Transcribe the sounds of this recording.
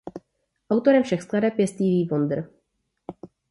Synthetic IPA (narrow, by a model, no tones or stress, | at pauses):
ʔawt̪o̞ɾɛmfʃɛxsk̪ladɛpjɛst̪iviːvond̪r̩